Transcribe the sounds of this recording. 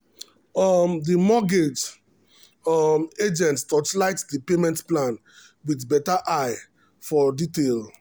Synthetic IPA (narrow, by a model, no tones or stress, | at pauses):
ɔmdimɔɡed͡ʒ | med͡ʒɛ̃nttɔtlaɪtdipemɛ̃ntplãn | widbɛtaʔaɪ | fɔditel